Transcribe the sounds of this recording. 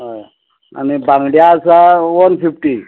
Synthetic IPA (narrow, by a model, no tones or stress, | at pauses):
ɦoj | a̰nibãŋɡɽjaːsaʋənfifʈi